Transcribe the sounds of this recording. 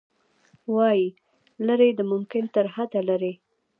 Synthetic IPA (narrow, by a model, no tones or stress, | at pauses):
wɑji | ləɾed̪əmʊmkɪnt̪əɾɦad̪alaɾe